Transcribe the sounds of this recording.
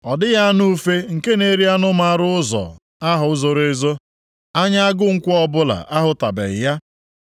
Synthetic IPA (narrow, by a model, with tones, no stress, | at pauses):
ɔ˨dɪ˦ja˦nu˦fe˦ŋ̩˨ke˦ne˨ɾi˦a˦nʊ˦ma˦ɾʊ˦ʊ˦zɔ̰˨ | a˦ɦʊ˨˦zo˨ɾe˦zo˦ | a˦ɲa˦a˦ɡʊ˦ŋ̩˦kʷʊ˦ɔ˦bʊ˦la̰˨ʔa˦ɦʊ˨ta˨bḛ˨ja˦